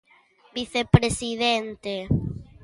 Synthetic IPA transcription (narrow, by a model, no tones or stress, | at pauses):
biθepɾesiðɛnt̪e